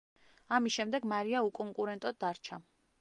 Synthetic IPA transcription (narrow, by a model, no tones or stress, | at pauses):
amisʃɛmd̪ɛɡmaɾiaukʼɔŋkʼuɾɛnt̪ʼɔd̪ːaɾt͡ʃʰa